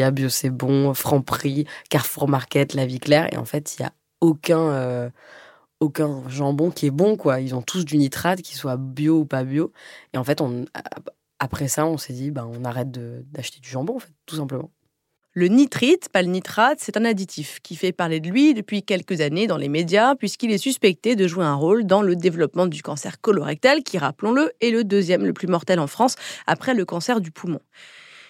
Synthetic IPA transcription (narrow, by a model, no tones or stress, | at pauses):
jabjosɛbɔ̃fχɑ̃pχikaʁfuʁmaʁkʲɛt̪laviklɛʁḛɑ̰̃fɛt̪ilja̰ | okʲɛ̃ø | okʲɛ̃ʒɑ̃bɔ̃kʲiɛbɔ̃kwailzɔ̃t̪ʰus̬d̪ynit̪χad̪kʲi̥swabjoupabjoeɑ̃fɛt̪ɔ̰̃ | apχɛsaɔ̃sɛd̪ibaɔ̃naʁɛt̪̚d̪əd̪aʃt̪e̥d̪yʒɑ̃bɔ̃ɑ̃fɛt̪ːus̬ɛ̃pləmɑ̃ | lənit̪χit̪palənit̪χat̪sɛt̪ɛ̃nad̪it̪ʰifkʲifɛpaʁled̪əlɥid̪əpɥikʲɛlkəzaned̪ɑ̃lemed̪japɥiskilɛsyspɛk̚t̪ed̪əʒueɛ̃ʁold̪ɑ̃ləd̪evlɔpmɑ̃d̪ykɑ̃sɛʁkɔlɔʁɛk̚t̪ɛlkʲiʁaplɔ̃ləɛləd̪øzjɛmləplymɔʁt̪ɛlɑ̃fχɑ̃sa̰pχɛləkɑ̃sɛʁd̪ypʰumɔ̃